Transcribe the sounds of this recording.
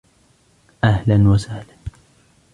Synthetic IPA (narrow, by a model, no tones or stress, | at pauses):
ʔahlanwasaːla